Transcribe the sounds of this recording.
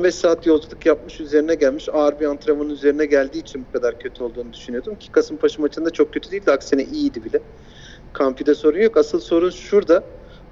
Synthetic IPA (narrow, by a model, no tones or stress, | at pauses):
bɛʃsaːt̪jo̞lˠd͡ʒulˠɯkjap̚mɯʃyze̞ɾinɛɟælʲmiʃaɾbiant̪ʰɾamanɯnyze̞ɾinɛɟælʲd̪iːt͡ʃʰinbukʰad̪aɾcʰøt̪ʰyo̞lˠd̪uːnud̪yʃynyjo̞d̪umcʰi̥kʰasɯmpʰaʃɯmat͡ʃʰɯnd̪at͡ʃʰo̞k̚cʰːøt̪ʰyd̪eijilʲd̪ɛaksinɛʔijid̪ibilʲɛ | kʰamfid̪ɛso̞ɾunjo̞kasɯlˠso̞ɾunʃuɾd̪a